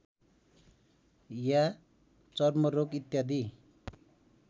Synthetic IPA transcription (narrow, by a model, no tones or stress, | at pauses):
ja | t͡sʌrmʌɾokit̪jad̪i